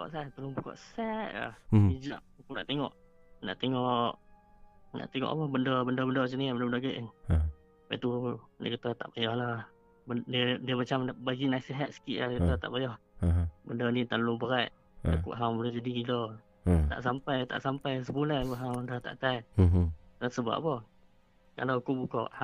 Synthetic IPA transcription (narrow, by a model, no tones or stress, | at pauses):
bkɔ̰ʔsat̪əlubukɔ̰ʔsɛt̪̚la̰hid͡ʒaʔ̚ukuna̰ʔt̪eŋɔ̰ʔ | na̰ʔt̪eŋɔʔ | na̰ʔt̪eŋɔ̰ʔməhbəndəbəndəbəndəsəniabəndəbəndəɡəʔ | paʔḭt̪uda̰kət̪ət̪aʔbajɔhlah | bdiədiəmat͡ʃambaɡinaisiɦat̪̚sə̥kiʔladakət̪ɔt̪a̰ʔbajɔh | bəndənit̪alubəɾaj | t̪a̰kṵʔɦawbulɛhd͡ʒadiilɔ | t̪a̰ʔsampajt̪a̰ʔsampajs̬əbulahpɔɦawdaht̪a̰ʔt̪aj | dasəba̰ʔpɔh | ka̰lawkubukɔ̰ʔh